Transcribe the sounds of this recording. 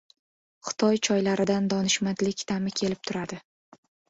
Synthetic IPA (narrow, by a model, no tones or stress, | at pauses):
χɨ̥t̪ʰɒjt͡ʃʰɒjlaɾɪd̪and̪ɒnɪʃmat̪lɪkʲt̪ʰamɪkʲʰe̞lɪp̚t̪ʰʊɾad̪ɪ